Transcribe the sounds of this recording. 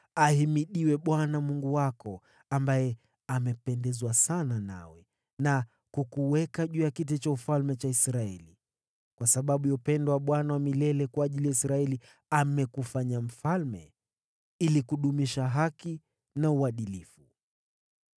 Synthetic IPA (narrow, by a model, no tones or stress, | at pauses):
ahimiɗiwɛɓwanamuŋɡuwakɔ | ambajɛ | amɛpɛndɛzwasanana̰wɛ | na | kukuwɛkaʄuːjakit̬ɛt͡ʃaufalmɛt͡ʃaisɾaɛ̰li | kwasaɓaɓujaupɛndɔwaɓwanawamilɛlɛkwaːʄilijaisɾaɛli | amɛkufaɲam̩falmɛ̰ | ilikuɗumiʃaɦaki | nauwaɗilifu